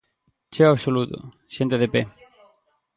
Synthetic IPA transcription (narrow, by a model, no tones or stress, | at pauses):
t͡ʃewaβsolut̪ʊ̰ | ʃẽnt̪eðepe